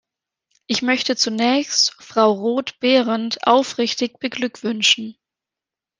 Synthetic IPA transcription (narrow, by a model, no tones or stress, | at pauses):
ʔɪçmœçtət͡sunɛːçstfʁ̥aʊʁoːtb̥eːʁəntʔa̰ʊfʁɪçtɪçb̥əɡlʏkv̥ʏnʃn̩